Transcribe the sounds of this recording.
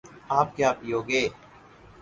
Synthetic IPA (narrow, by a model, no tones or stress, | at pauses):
aːp̚kjaːpiːoːɡeː